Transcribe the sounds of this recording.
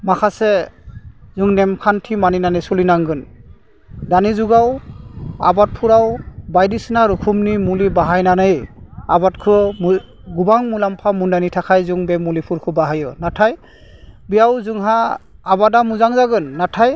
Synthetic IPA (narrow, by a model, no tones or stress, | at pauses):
makʰasɛ | zuŋnɛmkʰantʰimaninanɯjsɔlinaŋɡɯn | danizuɡaw | a̰bat̚pʰuɾawbajdisnaɾukʰumnimulibaɦajnanɯjabatkʰɯm | ɡubaŋmulampʰamundanitʰakʰajzuŋbɛmulipʰuɾkʰɔbaɦajɔnatʰaj | bijawzuŋɦaːbadamuzaŋzaɡɯnːatʰaj